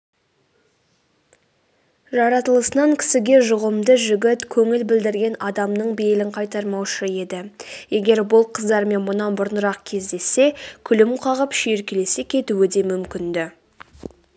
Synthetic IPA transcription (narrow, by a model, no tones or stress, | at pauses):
ʒɑɾɑt̪əlˠəsənɑŋkʲʰɪ̥sɪɡʲe̞ʒʊʁəmd̪əʒʏɡʲɪt̪kʲʰɵŋɪlbɪld̪ɪɾɡʲe̞nɑd̪ɑmnəɴbejlɪɴqʰɑjt̪ɑɾmɑwʃəe̞d̪ɪje̞ɡʲe̞ɾbʊlˠqʰəzd̪ɑɾme̞nmʊnɑnbʊɾənəɾɑqkʲʰe̞zd̪e̞sːe̞kʲʰʏlɪmqʰɑʁəpʃijeɾkʲele̞sekʲʰe̞t̪uwɪd̪e̞mʏmkʲɪnd̪ɪ